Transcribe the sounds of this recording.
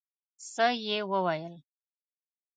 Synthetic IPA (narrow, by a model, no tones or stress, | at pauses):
səjewəwajəl